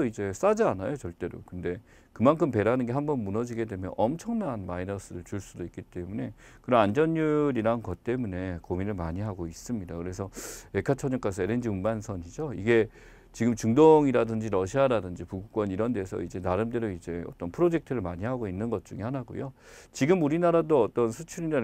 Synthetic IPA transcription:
ʌid͡ʑe̞s͈ad͡ʑianajot͡ɕʌɭt͈e̞ɾo̰kɯnde̞ | kɯmankʰɯmpe̞ɾanɯnɡe̞ɦambʌnmunʌd͡ʑiɡe̞dwe̞mjʌ̰nʔʌmt͡ɕʰʌŋnanmainʌs͈ɯɾɯɭt͡ɕuɭs͈udoik͈it͈e̞mune̞ | kɯɾʌnand͡ʑʌnːuɾiɾaɯnkʌt̚t͈e̞mune̞kominɯɭmaɲiɦaɡois͈ɯmɲidakɯɾe̞sʰʌekʰat͡ɕʰʌɲʌk͈as̬ʰʌeɾend͡ʑiumbansʰʌɲid͡ʑoiɡe̞ | t͡ɕiɡɯmt͡ɕuŋdoŋiɾadɯnd͡ʑiɾʌɕʰiaɾadɯnd͡ʑipuɡuk͈wʌniɾʌnde̞sʰʌ̰id͡ʑe̞naɾɯmde̞ɾoid͡ʑe̞ʌt͈ʌnpʰɯɾod͡ʑe̞k̚tʰɯɾɯɭmaɲiɦaɡoinːɯnɡʌt̚t͡ɕ͈uŋihanaɡo̰jot͡ɕiɡɯmuɾinaɾadoʌt͈ʌnsʰɯt͡ɕʰuɾinɯ

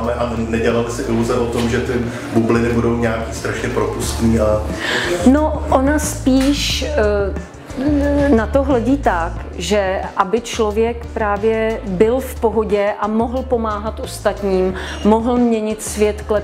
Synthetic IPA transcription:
mɛʔanɛɟɛlalɪsɪʔɪluzɛʔot̪omʒɛt̪ɪ | bublɪnɪbudo̞wɲɛaːkiːst̪ɾaʃɲɛpɾopust̪niːʔa | noʔonaspiːʃ | nat̪oɦlɛɟiːt̪ak | ʒɛʔabɪt͡ʃlo̞vjɛkpɾaːvjɛbɪlfpo̞ɦoɟɛʔamo̞ɦl̩po̞maːɦat̪ʔo̞st̪at̪ɲiːm | moɦl̩mɲɛɲɪt̪svjɛt̪klɛ

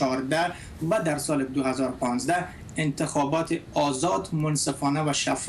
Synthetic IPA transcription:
ɒːɾd̪æ | væd̪æɾsɒːled̪ohæzɒːɾopʰɒːnzd̪æ | ent̪ʰexɒːbɒːt̪ʰeɒːzɒːd̪monsefɒːnævæʃæf

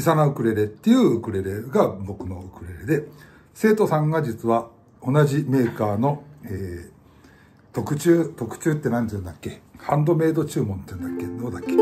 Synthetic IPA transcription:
isanaɯ̟kɯ̟ɾe̞ɾe̞t̪ːe̞jɯ̟ːɯkɯ̟ɾe̞ɾe̞ɡabo̞kɯ̟no̞ɯkɯ̟ɾe̞ɾe̞d̪e̞ | se̞ːt̪o̞sãŋɡad͡ʑit͡sɨβa | o̞naʑime̞ːkaːno̞eː | t̪o̞kɯ̟t͡ɕɨːt̪o̞kɯ̟̥t͡ɕɨːt̪ːe̞nãnɲt̪ẽnd̪akːe̞hãnd̪o̞me̞ːd̪o̞t͡ɕɨːmõ̞nt̪ẽnd̪akːe̞d̪oːd̪akːe̥

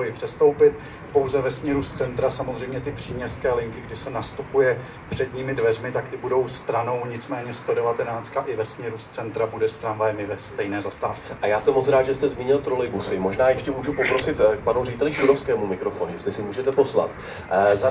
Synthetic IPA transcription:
ojɪpr̝̥ɛst̪o̞wpɪt̪̚ | po̞wzɛvɛsmɲɛɾust͡sɛnt̪ɾasamozr̝ɛjmɲɛt̪ɪpr̝̥iːmɲɛskɛːlɪŋkɪɡdɪsɛnast̪upujɛ | pr̥ɛdɲiːmɪdvɛrmɪt̪akt̪ɪbudo̞wst̪ɾano̞wɲɪt͡smɛːɲɛst̪o̞dɛvat̪ɛnaːt͡st̪kaʔɪvɛsmɲɛɾust͡sɛnt̪ɾabudɛst̪ɾanvajɛmɪvɛst̪ɛjnɛːzast̪aːft͡sɛʔajaːsɛmːot͡sɾaːd̪ʒɛst̪ɛzmiːɲɪlt̪ɾolɪjɡusɪmoʒnaːjɛʃcɛmuːʒupopɾo̞sɪt̪panurɛɟɪt̪ɛlɪʃudofskɛːmumɪkɾofonujɛst̪lɪsɪmuːʒɛt̪ɛpo̞sla̰t̪ | za

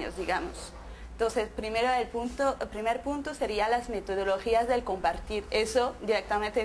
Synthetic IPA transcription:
o̰zðiɣamo̰s | ent̪onsespɾimeɾoelpunt̪opɾimeɾpunt̪ose̞ɾialazme̞t̪oð̞oloxiazðe̞lko̞mpaɾt̪iɾesod̪iɾek̚t̪amẽnt̪e

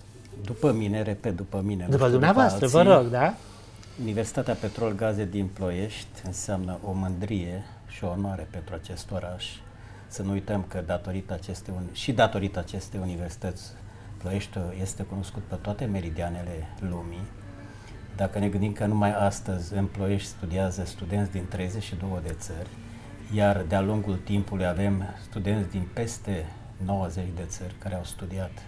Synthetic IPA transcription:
d̪upəmine̞ɾe̞pe̞t̪̚d̪upəmined̪upəd̪umneavoasalɾəvəɾoɡd̪a | universi̥t̪at̪eape̞t̪ɾo̞lɡaze̞d̪inplo̞je̞ʃt̪ʲɨnseamnəʔo̞mɨnd̪ɾije̞ | ʃio̞noaɾepe̞nt̪ɾuat͡ʃe̞st̪o̞ɾaʃ | sənuujt̪əmkəd̪at̪o̞ɾit̪at͡ʃe̞st̪eunʃid̪at̪o̞ɾit̪at͡ʃe̞st̪eunive̞rsi̥t̪ət̪sʲ | plojeʃt̪oje̞st̪e̞kuno̞skut̪̚pet̪oat̪e̞me̞ɾid̪iane̞le̞lumi | d̪akəne̞ɡɨnd̪imkənumajast̪əzʲɨmploje̞ʃt̪ʲst̪ud̪iazəst̪ud̪e̞nt̪sʲd̪int̪ɾe̞jze̞t͡ʃʃid̪o̞wəd̪e̞t̪sərʲ | jard̪ealuŋɡult̪impulujave̞mst̪ud̪e̞nt̪sʲd̪inpe̞st̪e̞ | no̞wəze̞t͡ʃd̪e̞t̪sərʲkaɾeawst̪ud̪iat̪

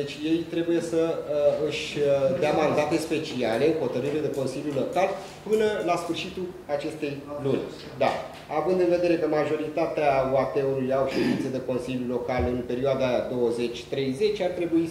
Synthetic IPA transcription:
d̪et͡ʃʲje̞jt̪ɾe̞buje̞səɨʃʲd̪eamand̪at̪e̞spe̞t͡ʃiale̞ɨho̞t̪əɾɨɾed̪e̞ko̞nsiljulo̞kal | pɨnəlasfɨrʃit̪ul | at͡ʃe̞st̪e̞jlunʲ | d̪a | avɨnd̪ɨnve̞d̪e̞ɾe̞kəmaʒo̞ɾit̪at̪eaoat̪e̞ulujawʃed̪int̪sed̪e̞ko̞nsiljulo̞kalɨnpe̞ɾioad̪ad̪o̞wəze̞t͡ʃʲt̪ɾe̞jze̞t͡ʃʲart̪ɾe̞bui

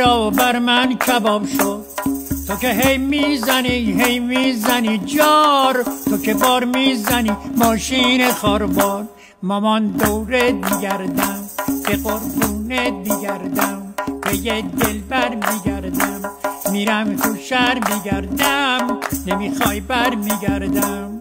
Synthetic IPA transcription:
ɾɒːobæɾmæncʰæbɒːbʃod̪̚t̪ʰokeɦejmizæniɦejmizænid͡ʒɒːɾt̪ʰokʰe̞bɒːɾmizænimɒːʃiːnexɒːɾbɒːɾ | mɒmɒnd̪owɾemiɡæɾd̪æmb̥eɣoɾb̪uːnet̪miɡæɾd̪æmb̥ejed̪elbæɾmiɡæɾd̪æmːiːɾæmt̪ʰuʃæɾmiɡæɾd̪æmnemixɒːjbæɾmiɡæɾd̪æm

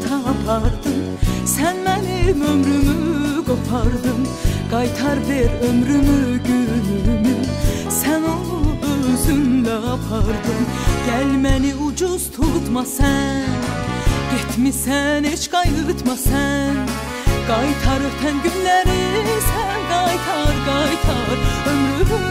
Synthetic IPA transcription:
kʰɑpʰɑɾd̪ɯm | sænmɛnɪmømɾymyɡopʰɑɾd̪ɯm | ɡ̥ɑjt̪ʰɑɾbeɾømɾymyɡʲynymy | sænoøzymlɛpʰɑɾd̪ɯmɟ̥ælmæniud͡ʒuz̥t̪ʰut̪mɑsɛnɡ̥et̪ʰmisænet͡ʃɡɑjyyt̪ʰmɑsɛn | ɡ̥ɑjt̪ʰɑɾɯʁt̪ʰɛnɡynlæɾisænɡɑjt̪ʰɑɾɡɑjt̪ʰɑɾømɾym

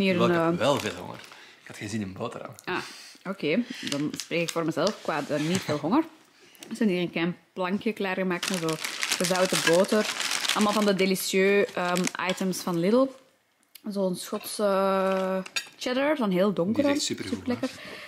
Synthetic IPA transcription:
niːɾənːɛlˠvḛːlˠɦɔ̰ŋə̰r | ɪkɑtxəzinɪnbo̰ːtəɾa̰maːokeːdɑnspreːkɪkfoːrməzɛlˠfkwaːdənitfeːlˠɦɔŋər | səniːɾənklɛjnplɑŋkjəklaːrɣəmaːk̚tmazoːxəzœwtəboːtərʔɑlˠmalˠvɑndədelisjøːʔəːmʔɑ̰jtəmsfɑnlɪdəl̩ˠ | zoːənsxɔtsəː | t͡ʃɛdəzonɦeːlˠdɔŋkərɔnpsypərlɛkər

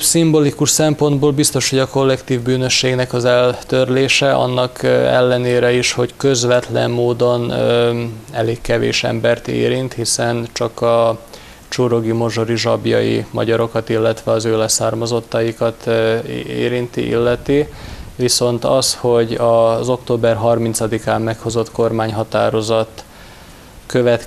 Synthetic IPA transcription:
simbolikuʃsɛmpo̞nd̪boːlbist̪o̞ʃho̞ɟɒko̞lːɛkt̪iːvbyːnø̞ʃːeːɡnɛkɒzɛlt̪ørleːʃɛʔɒ̰nːɒkɛ̰lːɛneːɾɛiʃho̞ckø̞zʋɛt̪lɛ̰mːoːd̪o̞n | ɛleːkːɛvḛːʃɛ̰mbɛrt̪ḛːɾint̪hisɛnt͡ʃɒkɒ | t͡ʃuɾo̞ɡimo̞ʒo̞ɾiʒɒbjɒ̰jḭmɒ̰ɟɒɾo̞kɒt̪ilːɛt̪ʋɛɒzøːlɛsaːrmɒzo̞t̪ːɒjikɒt̪ | ḛːɾint̪ḭʔḭlːɛt̪iviso̞nt̪ɒsho̞ɟɒzo̞kt̪oːbɛrɦɒrmint̪sɒd̪ikaːmːɛkho̞zo̞t̪ko̞rmaːɲɦɒt̪aːɾo̞zɒt̪ː | køvɛt̪

